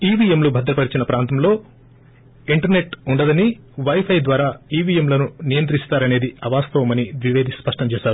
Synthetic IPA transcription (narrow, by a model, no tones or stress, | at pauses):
iːʋiemlubʱɐd̪ɾɐpɐɽit͡ʃinɐpɾaːnt̪ɐmlo̞ː | iɳʈɐɾne̞ʈuɳɖɐd̪ɐni | ʋɐjpʰɐjd̪ʋaːɾaːiːʋiːjemlɐnunijɐnt̪ɾist̪aːɾɐne̞ːd̪iɐʋaːst̪ɐʋɐmɐniʋiʋeːd̪ispɐʂʈɐmt͡ʃɛːʃaːɾu